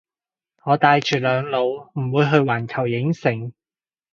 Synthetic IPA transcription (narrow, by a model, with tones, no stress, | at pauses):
ŋɔː˨˧t̪aː˧jt͡ʃyː˨˩lœː˨˧ŋlo˨˧wm̩˨˩wuː˨˧jɦɵ˧ɥwaː˨˩nkʰɐ˨˩wjɪ˨˥ŋsɪ˨˩ŋ